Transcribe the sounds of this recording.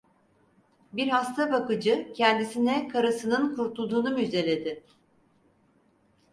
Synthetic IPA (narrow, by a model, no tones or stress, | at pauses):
biɾhast̪ʰabakɯd͡ʒɯcʰɛnd̪isinɛkʰaɾasɯnɯnkʰuɾt̪ʰlˠud̪uːnumyzd̪e̞lʲe̞d̪ɪ